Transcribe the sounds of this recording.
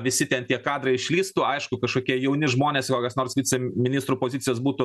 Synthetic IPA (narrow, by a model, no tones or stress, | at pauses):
ʋʲɪsʲɪt̪ʲɛnt̪ʲiɛkɑːd̪ɾɐɪɪʃʲlʲiːst̪uːɐɪʃkʊkɐʃkoːkʲiɛjɛʊnʲɪʒmoːnʲeːskokʲɐsnoːrsʋʲiːt͡s̪ʲɛmʲɪnʲist̪ɾuːpoːzʲɪtt͡sʲɪjoːsbuːt̪ʊ